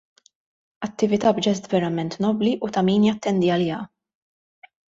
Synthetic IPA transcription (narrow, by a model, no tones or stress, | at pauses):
ɐt̪ːɪvɪt̪ɐbd͡ʒɛst̪vɛɾɐmɛnt̪nɔbliʔut̪ɐmiːnjɐt̪ːɛnd̪iɐlɪːɐ